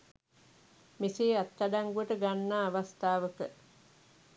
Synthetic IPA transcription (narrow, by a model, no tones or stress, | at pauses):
miseːat̪ːadaŋɡuəʈəɡanːaːʋast̪aːʋəkə